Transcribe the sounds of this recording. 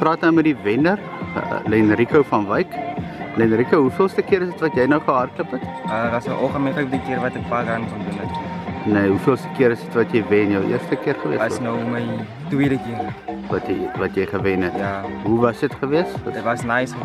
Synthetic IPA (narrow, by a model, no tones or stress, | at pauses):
prɑːtnəmədivɛnər | lɛnrikowfɐnvɐjklɛnɾikəwɦufiəlˠstəkiəɾəsdətvɐtjɛjnəwχəɦɐrkləpɛtəvɐsəʔɔlˠχəmifəpdikiərvɐtɛk̚faːɡɐnχəndunɐtniɦufiəlˠstəkiəɾəsdətvɐtjɛjvɛnjəwʔḭərstəkiərχəviəɐsnɐwməj | twiədəkiərvɐtjvɐtjɛjχəvɛnɦɛtjaːɦuvɐsdətχəviəsɐsnaːsχə